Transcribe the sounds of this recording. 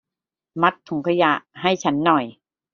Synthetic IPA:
ma˧˦˥t̪ʰːu˩˦ŋkʰa˧ja˧ʔha˥˩jt͡ɕʰa˦˥nːɔ˨˩j

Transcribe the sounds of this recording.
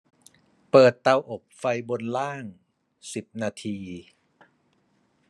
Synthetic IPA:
pɤː˨˩t̪ːa˧wʔo˨˩p̚fa˧jbo˧nlaː˥˩ŋ | si˨˩p̚naː˧t̪ʰiː˧

